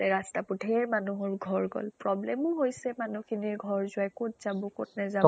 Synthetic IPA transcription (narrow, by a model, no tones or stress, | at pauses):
tɛɹastapudʱɛɹmanuɦɔɹɡʱɔɹɡɔ̰lpɹɔblɛmʊɦojsɛmanukʰiniɹɡʱɔɹzʊajkʊtz̥abɔkʊ̰t̚nɛza